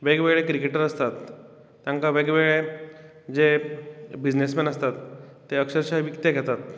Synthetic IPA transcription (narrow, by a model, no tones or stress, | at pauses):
ʋeɡʋeɡɭekɾikeʈəɾəst̪at̪ː | jãŋkaʋeɡʋeɡɭe | d͡ze | bid͡ʑnesmɛnəst̪at̪ː | eəkʂəɾɕaʋikt̪eɡʱɛt̪at̪̚